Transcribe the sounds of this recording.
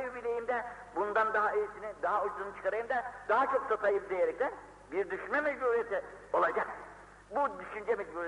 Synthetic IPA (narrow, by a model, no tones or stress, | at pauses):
ybilʲe̞jimd̪ɛ | bund̪and̪aɦaeisinid̪aɦaod͡ʒd̪unɯt͡ʃʰɯ̥kʰaɾajɯmd̪ɛd̪aɦat͡ʃʰo̞ksat̪ʰajɯp̚d̪ejeɾɛc̚t̪ʰɛ | biɾd̪yʃynmɛmɛd͡ʒbuɾijet̪ʰio̞lˠad͡ʒak̚ | bud̪yʃynd͡ʒɛmɛd͡ʒbuɾe